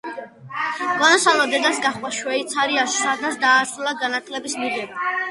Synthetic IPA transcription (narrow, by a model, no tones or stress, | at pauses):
ɡanasalˠɔd̪ɛd̪asɡaχwaʃwɛit̪sʰaɾiaʃsad̪asd̪aːsɾulˠaɡanat̪ʰlɛbismidɛba